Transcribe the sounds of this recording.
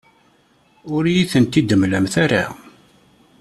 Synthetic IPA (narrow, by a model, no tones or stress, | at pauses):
ʊɾjiθənt̪id̪əmlæmθaɾa̰